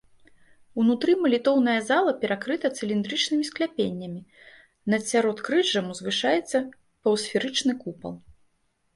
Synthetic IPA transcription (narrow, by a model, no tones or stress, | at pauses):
unut̪ɾɨmɐlʲit̪ɔwnɐjɐzalˠɐpʲɛɾʔakɾɨt̪ɐt̪sɨlʲind̪ɾɨt͡ʂnɨmʲisklʲapʲenʲːɐmʲi | nɐt̪sʲaɾɔt̪kɾɨʐɐmzvɨʂajɛt̪sːɐ | pɐwsfʲɛɾɨt͡ʂnɨkupɐ̰lˠ